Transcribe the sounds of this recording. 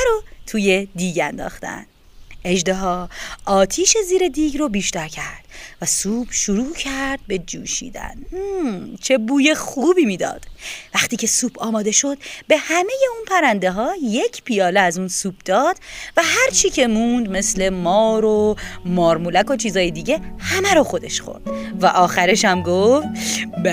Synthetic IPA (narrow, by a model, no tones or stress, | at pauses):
ɾot̪ʰuːjed̪iːɟænd̪ɒ̰ːxt̪æ̰n | e̞ʒd̪eɦɒːɒːt̪ʰiːʃe̞ziːɾe̞d̪iːɟɾobiːʃt̪æɾcʰæɾd̪̥væsuːb̥ʃuɾuːcʰæɾd̪̚be̞d͡ʒuːʃḭːd̪æ̰n | t͡ʃʰe̞buːje̞χuːbiːmiːd̪ɒ̰ːd̪̥væχt̪iːcʰe̞suːbʰɒːmɒːd̪e̞ʃo̞d̪̥be̞hæme̞je̞unpʰæɾænd̪e̞ɦɒːje̞cʰpʰijɒːleæzunsuːb̚ʰd̪ɒːd̪̥væɦæɾt͡ʃʰiːcʰe̞mund̪me̞sle̞mɒːɾomɒːɾmulæko̞t͡ʃʰiːzɒːjed̪iːɟe̞hæmæɾoxo̞d̪e̞ʃxo̞̰ɾd̪̥væʔɒːxæɾeʃæmɡoft̪